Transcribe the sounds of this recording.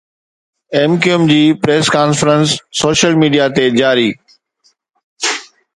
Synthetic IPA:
eːmkiəmd͡ʑiːpɾeːskaːnfɾənsːoːʃəlmiːɖijat̪ed͡ʑaːɾiː

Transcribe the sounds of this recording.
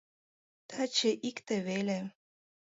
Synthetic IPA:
t̪ʰat͡ɕeʔikt̪eβele

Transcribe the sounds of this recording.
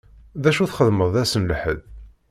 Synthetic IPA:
ðæʃuθχəðməðˤæsənlħəð

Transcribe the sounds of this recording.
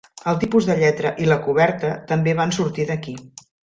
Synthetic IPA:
əlˠt̪ipuzðəʎɛt̪ɾəʔiləkuβ̞ɛɾt̪ət̪əmbeβ̞ansuɾt̪iðəki

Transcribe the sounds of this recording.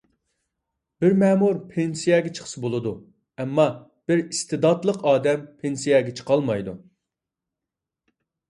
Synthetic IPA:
b̥ɪɾmɛːmuɾpʰensijɛɡʲɛt͡ʃʰə̥χsɨbolˠɨd̪u | ɛmːɑ | b̥ɪɾist̪ɪd̪ɑt̪lˠəqɑːd̪ɛmpʰensijɛɡʲɛt͡ʃʰə̥qɑlˠmɑjd̪u

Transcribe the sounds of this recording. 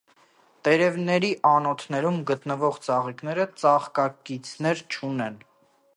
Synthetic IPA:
t̪ɛɾɛvnɛɾiʔɑnɔt̪ʰnɛɾumɡət̪nəvɔʁt͡sɑʁiknɛɾət͡sɑχkɑkit͡sʰnɛɾt͡ʃʰunɛn

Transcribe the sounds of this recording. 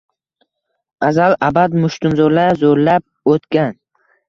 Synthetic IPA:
azalabad̪mʊʃt̪ʊnzoɾlaɾzoɾlap̚ | ot̪kʲan

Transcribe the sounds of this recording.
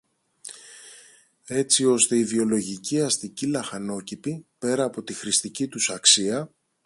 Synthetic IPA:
e̞t͡sio̞st̪e̞ivio̞lo̞ʝiciɐst̪icilɐxɐno̞cipipe̞ɾɐːpo̞t̪ixɾist̪icit̪usɐksiɐ

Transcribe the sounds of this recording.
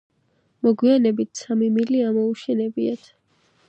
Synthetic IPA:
mɔɡwianɛbit̪ʰsamimiliamɔuʃɛnɛbiat̪ʰ

